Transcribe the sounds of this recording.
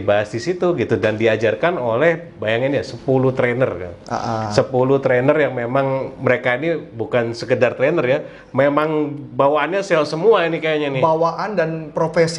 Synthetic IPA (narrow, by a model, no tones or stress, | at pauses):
ibaɦasdisit̪uɡit̪udandiad͡ʒarkanolɛh | bajaŋinjasəpulut̪ɾenərka̰aʔasəpulut̪ɾenərjaŋmemaŋməɾekainibukansəkədart̪ɾenərja | memaŋbawaːnɲaselsəmuainikajaɲanɪawaʔandanpɾofes